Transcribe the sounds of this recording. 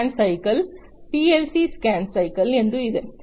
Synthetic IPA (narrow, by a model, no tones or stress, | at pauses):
nsɐɪkɐl | piːɛlsiskaːnsɐɪkɐlɛnd̪rɯɪðɯ